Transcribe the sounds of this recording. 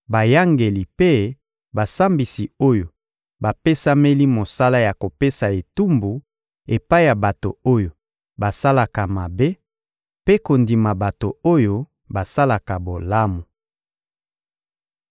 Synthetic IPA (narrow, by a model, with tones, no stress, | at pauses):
ba˨ja˦ŋɡe˨li˨pe˦ | ba˨sa˦mbi˨si˨o˦jo˨ | ba˨pe˦sa˦me˦li˦mo˨sa˦la˦ja˨ko˨pe˦sa˨e˨tu˦mbu˨ | e˨pa˦i˦ja˨ba˨to̰˨o˦jo˨ | ba˨sa˦la˨ka˨ma˨be˦ | pe˦ko˨ndi˨ma˨ba˨to˨o˦jo˦ | ba˨sa˦la˨ka˨bo˨la˦mu˨